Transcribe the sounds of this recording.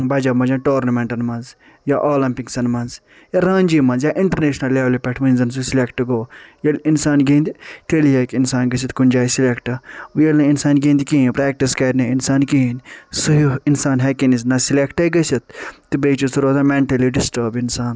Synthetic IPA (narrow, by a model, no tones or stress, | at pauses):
bɐd͡ʒɐmɐd͡ʒɐ̃nʈoːɾnɐmẽɳʈɐnmɐnz | jaʔoːlɐmpiksɐnmɐnz | jaɾãːnʲd͡ʒiːmɐ̃nzjaːʔɪɳʈɐɾneːʃnɐlːeːʋlipɛʈʰmɐnzɐns̬usilekʈɡoːjɐlʲɪnsaːnɡĩːnd̪it̪ʰeliɦekɪnsaːnɡɐs̬it̪kunʲd͡ʒaːisilekʈɐʋjɐlnɐinsaːnɡĩːnd̪ikĩnpɾɛːk̚ʈiskɐːɾneɪnsaːnkiinsuiɪnsaːnɦɛkenisnɐsilekʈɐiɡɐsɐt̪̚ː | ɨbeːt͡ʃusuɾoːzamẽɳʈɐliɖɪsʈəːɾbɪnsaːn